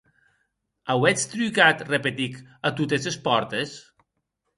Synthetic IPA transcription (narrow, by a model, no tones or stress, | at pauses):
awɛt͡st̪ɾykat̪repet̪ikat̪ut̪esespɔɾt̪es